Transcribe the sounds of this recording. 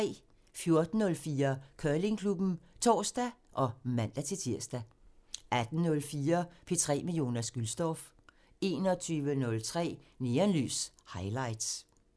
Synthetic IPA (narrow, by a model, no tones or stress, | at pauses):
ɛ̰ː | fjo̝ɐd̥n̩ːɔ̽lfiːɐkʰɶːle̝ŋkʰlub̥n̩t͡sʰɒ̰ːsd̥æʔɒ̽mæn̰d̥æt͡sʰe̝t͡sʰiɐ̰sd̥æ | ʔæd̥n̩nɔ̽lfiːɐpʰe̝t͡sʰʁɛ̰ːmiljo̝̰ːnɐsɡ̥ylsd̥ɒf | e̝ːnɒ̽t͡sʰyːʋənɔ̽lt͡sʰʁɛ̰ːneːɐnly̰ːs | hɑ̈ɪlɑ̈ɪd̥s